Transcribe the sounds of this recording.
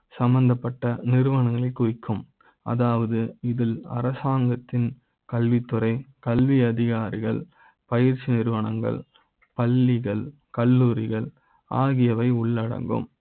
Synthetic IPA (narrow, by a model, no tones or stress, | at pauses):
sɐmbɐnd̪ɐpːɐʈːɐnɪɾɯʋɐɳɐŋɡɐɭɪkʊʋɪkʰːɯm | ɐ̰ðaːʋɐðɯɪðɪlɐ̰ɾɐsaːŋɡɐt̪ːɪn | kɐlʋit̪ːɯɾɐɪkɐlʋiɐðɪɣaːɾɪɣɐɭ | pɐjɪɾt͡ʃːinɪɾɯʋɐɳɐŋɡɐ̰ɭ | pɐlːɪɣɐɭ | kɐlːuːɾɪɣɐɭ | ʔa̰ːɣɪjɐʋɐɪʊɭːɐɽɐ̰ŋɡɯ̰m